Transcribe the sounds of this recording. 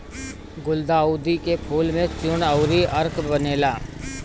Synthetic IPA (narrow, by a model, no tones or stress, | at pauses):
ɡʊld̪aːuːd̪ikepʰuːlmẽt͡ʃʊnəʊɾiʔəɾkbəneːlaː